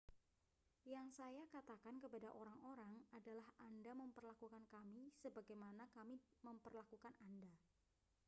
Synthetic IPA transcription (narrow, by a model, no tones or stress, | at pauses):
jaŋsajakat̪akankəpadaʔoɾaŋoɾaŋadalahandaməmpərlakukankamisəbaɡajmanakamiməmpərlakukananda